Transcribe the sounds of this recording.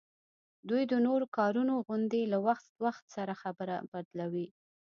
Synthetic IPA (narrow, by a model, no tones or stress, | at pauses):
d̪ujd̪ənoɾokɑɾunoɣʊnd̪elawaxt̪waxt̪saɾaxabəɾa̰bad̪lawi